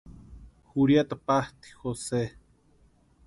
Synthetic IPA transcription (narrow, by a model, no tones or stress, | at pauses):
xuɾjat̪apaht̪i̥xose